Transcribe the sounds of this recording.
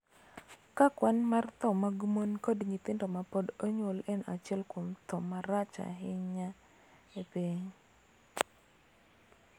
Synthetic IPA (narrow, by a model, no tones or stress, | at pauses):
kakwanmart̪ɔmaɡumonkodɲit̪ɪndɔmapɔdoɲolɛnʔa̰t͡ʃɛlkomt̪ɔmaɾat͡ʃa̰ɦɪɲa | epiɲ